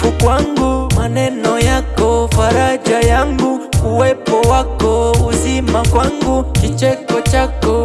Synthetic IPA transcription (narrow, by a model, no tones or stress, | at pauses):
ukwaŋɡumanɛnɔjakɔfaɾaʄajaŋɡukuwɛpɔwakɔuzimakwaŋɡukit͡ʃɛkɔt͡ʃakɔ